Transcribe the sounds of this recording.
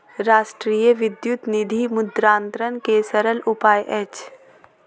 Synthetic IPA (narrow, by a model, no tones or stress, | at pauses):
ɾaːʃʈɾiːjəʋɪd̪jʊt̪nɪd̪ʱimʊd̪ɾãːnt̪ɾənkesəɾəlʊpaːjʔɛːt͡ʃ